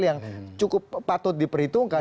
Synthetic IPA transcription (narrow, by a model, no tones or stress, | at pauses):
ljaŋt͡ʃukʊpːat̪ʊt̪̚dipəɾit̪uŋka